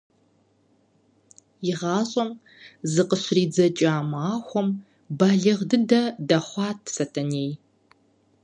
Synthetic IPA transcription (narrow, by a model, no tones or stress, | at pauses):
jɪʁɑːɕʼɐm | zɨqəɕriːd͡zɐt͡ʃʼaːmaːxʷɔm | baːɮɨʁdɨndɐdɐχʷɑːtʰsɐtʰɐneːj